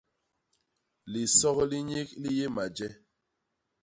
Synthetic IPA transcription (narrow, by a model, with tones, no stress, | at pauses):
li˨sɔ˦ɣɔ˦li˦ɲe˦k̚li˦je˦ma˨d͡ʒɛ˦